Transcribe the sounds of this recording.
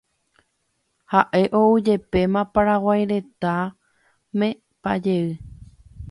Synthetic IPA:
haʔe̞ʔo̞ud͡ʒe̞pe̞mãpaɾawajɾe̞t̪a | mẽ | pa̰d͡ʒe̞ɨ

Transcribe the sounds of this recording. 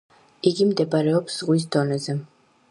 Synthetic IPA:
iɡimd̪ɛbaɾɛɔpsz̥ʁwis̬d̪ɔnɛzɛ

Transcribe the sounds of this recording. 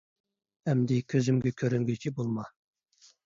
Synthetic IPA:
ɛmd̪ɪkʲʰøzymɡʲɛkʲʰøɾyŋɡʲyt͡ʃʰibolˠmɑ

